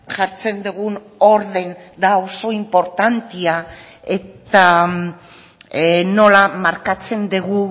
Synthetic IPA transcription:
ʝaɾt͡se̞nd̪uɣun | o̞ɾðe̞nd̪aoso̞impo̞ɾt̪ant̪ia | e̞t̪a | no̞lamaɾkat͡se̞nd̪eɣu

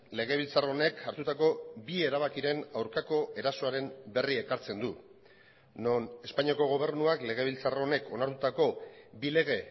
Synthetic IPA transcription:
le̞ɣ̞e̞β̞ilt͡saro̞ne̞kaɾt̪ut̪ako̞bie̞ɾaβakiɾe̞nawɾkako̞ʔe̞ɾaso̞aɾe̞mbe̞rie̞kaɾt͡se̞nd̪u | none̞spaɲiako̞ɣ̞o̞β̞e̞ɾnuakle̞ɣ̞e̞β̞ilt͡saro̞ne̞kʰo̞naɾt̪ut̪ako̞bile̞ɣ̞e̞

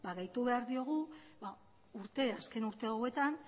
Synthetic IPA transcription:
baɣajt̪uβe̞aɾðio̞ɣ̞uba | uɾt̪e̞aske̞nuɾt̪e̞owe̞t̪an

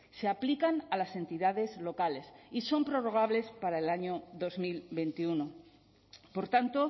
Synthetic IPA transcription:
se̞aplikanalase̞nt̪iðaðe̞zlo̞kale̞siso̞mpɾo̞ro̞ɣ̞aβle̞spaɾaelaɲo̞ðo̞zmilbe̞nt̪iuno̞ | po̞ɾt̪ant̪o̞

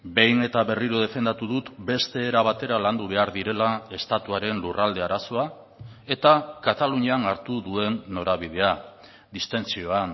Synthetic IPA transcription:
be̞jne̞t̪aβe̞riɾoð̞e̞fe̞nd̪at̪uðut̪be̞st̪e̞ːɾaβat̪e̞ɾaland̪uβ̞e̞aɾðiɾe̞lae̞st̪at̪uaɾe̞nlurald̪e̞aɾaso̞a | e̞t̪akat̪aluɲianaɾt̪uðue̞nːo̞ɾaβ̞iðe̞a | d̪ist̪e̞nt͡sio̞an

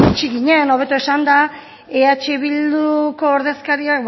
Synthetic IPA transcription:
t͡ʃiɣiɲe̞no̞β̞e̞t̪ue̞sand̪a | eat͡ʃeβild̪uko̞ːɾð̞e̞skaɾiakb

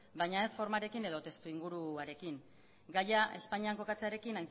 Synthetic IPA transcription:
bajɲae̞sfo̞ɾmaɾe̞kine̞ðo̞t̪e̞st̪uiŋɡuɾuaɾe̞kiŋ | ɡajaʔe̞spaɲiaŋko̞kat͡se̞aɾe̞kinajn

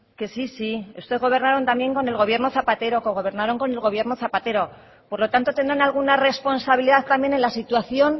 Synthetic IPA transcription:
ke̞sisiust̪ezɣo̞β̞e̞ɾnaɾo̞nt̪amje̞ŋko̞ne̞lɣ̞o̞βje̞ɾno̞θapat̪e̞ɾo̞koɣo̞β̞e̞ɾnaɾo̞ŋko̞ne̞lɣo̞β̞je̞ɾno̞θapat̪e̞ɾo̞ | po̞ɾlo̞t̪ant̪ot̪e̞nd̪ɾanalɣ̞unare̞spo̞nsaβiliðaθt̪ambje̞ne̞nlasit̪waθjo̞n

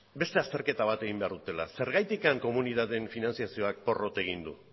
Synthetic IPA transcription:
be̞st̪e̞ast̪e̞ɾke̞t̪aβ̞at̪e̞ɣ̞imbeaɾðut̪e̞lase̞ɾɣajt̪ikaŋko̞muniðaðe̞ɱfinant͡siasio̞ak̚po̞ro̞t̪e̞ɣ̞ind̪ṵ

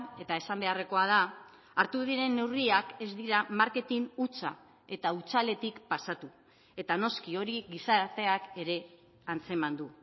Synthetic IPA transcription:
e̞t̪ae̞sambe̞are̞ko̞að̞aː | ɾt̪uðiɾe̞nːe̞wriake̞zd̪iɾamaɾke̞t̪inut͡sa̰ | e̞t̪aut͡sale̞t̪ikpasat̪u | e̞t̪ano̞skio̞ɾiɣisaɾt̪e̞ake̞ɾe̞ | ant͡se̞mand̪u

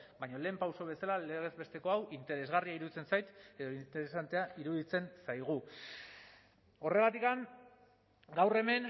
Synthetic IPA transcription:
bajɲo̞le̞ːmpawso̞βe̞salale̞ɣ̞e̞zβe̞st̪e̞ko̞awʔint̪e̞ɾe̞zɣariaiɾuðit͡se̞nsajt̪e̞ðoint̪e̞ɾesant̪e̞aiɾuðit͡se̞nsajɣ̞u | o̞re̞ɣat̪ikaŋ | ɡawre̞me̞ŋ

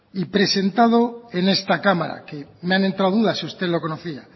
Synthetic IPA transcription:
ipɾe̞se̞nt̪að̞oe̞ne̞st̪akamaɾa̰kemeane̞nt̪ɾawðuðasiust̪e̞ðlo̞ko̞noθia

